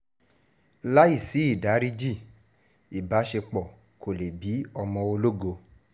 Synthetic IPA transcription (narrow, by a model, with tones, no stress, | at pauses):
la˦i˦˨si˨˦i˦˨da˨˦ɾi˦d͡ʒi˦˨ | i˨ba˨˦ʃe˧k͡pɔ˨ | kʰo˨le˨bi˨˦ɔ˧mɔ̃˧o˧lo˦ɡo˧